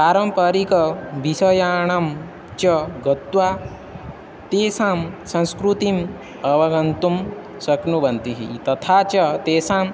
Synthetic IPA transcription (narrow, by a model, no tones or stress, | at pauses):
paːɾɐmpɐɾikɐʋisɐjaːɳɐm | t͡ʃɐɡɐt̪ʋa | t̪eːsaːmsɐ̃nskɾut̪im | ɐʋɐɡɐnt̪um | sɐknubɐnt̪iɦḭt̪ɐt̪ʰaːt͡ʃɐt̪eːsaːm